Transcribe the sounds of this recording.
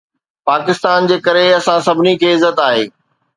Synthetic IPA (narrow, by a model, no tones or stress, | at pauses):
paːkɪst̪aːnd͡ʑeːkɐɾeɐsãsɐbʱɪnikʰeːɪzət̪aːɦeː